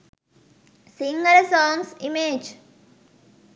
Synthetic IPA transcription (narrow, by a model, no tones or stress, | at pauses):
siŋɡəlsɔːŋsimeːd͡ʒ